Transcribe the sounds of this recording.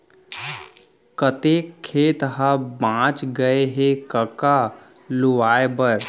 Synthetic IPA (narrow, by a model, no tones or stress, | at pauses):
kət̪ekʰːeːt̪ɦabãːt͡ʃɡəeɦekəka | lʊʋaːebəɾ